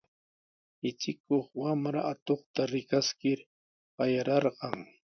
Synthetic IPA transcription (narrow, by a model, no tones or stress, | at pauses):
ɪt͡ʃɪkoχwamɾaat̪oχt̪aɾɪkaskɪɾ | ɢɑjaɾɑɾɢɑŋ